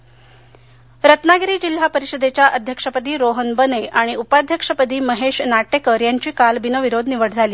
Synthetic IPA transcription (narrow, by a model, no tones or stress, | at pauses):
ɾət̪naɡɾiːd͡ʑil̤ːapəɾiɕəd̪et͡ɕjaʔəd̪ʱjəkʂəpət̪iːɾoɦənbəneʔaɽ̃iupad̪ʱjəkʂəpət̪iːməɦeʂnaʈekəɾjaɲt͡ɕiːkalbinəʋiɾod̪ʱniʋəʈd͡zʱaliː